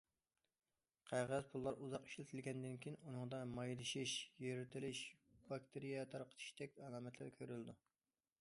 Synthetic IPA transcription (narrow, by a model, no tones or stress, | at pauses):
qʰæʁæzpʰulˠːɑɾuzɑqi̥ʃlɪt̪ʰɪlɡʲɛnd̪ɪnkʲʰijinunɨŋd̪ɑmɑjlˠɨʃiʃjeɾɪt̪ʰɪlɪʃb̥ɑk̚ʲt̪ʰɪɾijɛt̪ʰɑɾqʰə̥t̪ʰɨ̥ʃd̪ɛk̚ʲɑlˠɑːmɛt̪ʰlɪ̰ɾkʲʰøɾyld̪u